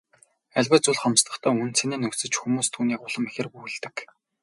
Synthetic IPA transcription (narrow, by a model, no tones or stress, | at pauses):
æɮʲwæːt͡sʊɮχɔmst̪ə̆χt̪ʰæːunt͡sʰeneːnɵksɘ̆t͡ɕxumuːst̪ʰuːniːkʊɮə̆mexʲɪ̆ruj̆ɮt̪ɘ̆k